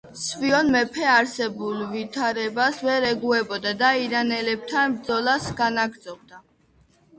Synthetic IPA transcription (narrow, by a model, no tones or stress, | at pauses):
sviɔnmɛpʰɛaɾsɛbulˠvit̪ʰaɾɛbasvɛɾɛɡuɛbɔd̪ad̪aiɾanɛlɛb̥̚t̪ʰanbd̪zɔlasɡanaɡɾd̪zɔb̚d̪a